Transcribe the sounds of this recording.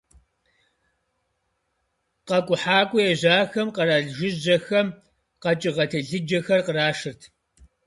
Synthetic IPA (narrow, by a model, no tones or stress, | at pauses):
qɐkʷʼʊħaːkʷʼʊjɛʑaːxɐmqɐɾaːɮʒɨʑɐxɐm | qɐt͡ʃʼɪʁɐtʰɐɮɨd͡ʒɐxɐrqəraːʂɨrtʰ